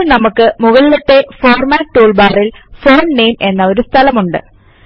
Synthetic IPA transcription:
ɭnɐmukːɨmuɣɐlilɐt̪ːe̞fo̞ːrmaːʈːuːɭbaːrilfo̞ːnne̞ːme̞nːɐo̞ɾust̪ʰɐlɐmuɳɖɨ̰

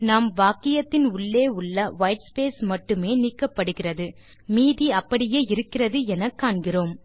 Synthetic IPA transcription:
naːmʋaːkɪjɐt̪ːɪnʊɭːeːʊɭːɐʋɐjʈspeːsmɐʈːɯmeːniːkːɐpːɐɽɯɣɪrɐðɯ | miːðiɐpːɐɽɪjeːɪɾɯkːɪrɐðɯɛnɐkːaːɳɡɪroːm

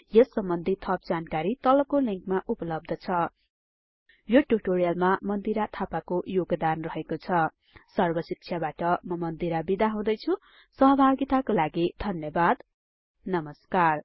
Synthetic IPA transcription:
jʌsːʌmbʌnd̪ʱit̪ʰʌpd͡zankaɾit̪ʌlʌkoliŋkmaʔupʌlʌb̚d̪ʱʌt͡sʰʌ | joʈuʈorijʌlmamʌnd̪iɾat̪ʰapakojoɡd̪anrʌɦekot͡sʰʌ | sʌrbʌsik̚t͡sʰjabaʈʌmʌmʌnd̪iɾabid̪aɦãd̪ʌjt͡sʰu | sʌɦʌbʱaɡit̪akolaɡid̪ʱʌnjʌbad̪ | nʌmʌskar

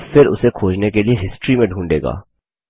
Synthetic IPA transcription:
fɪɾʊ̰sekʰoːd͡ʒnekelieɦɪsʈɾimẽɖʱũːɳɖḛːɡa̰ː

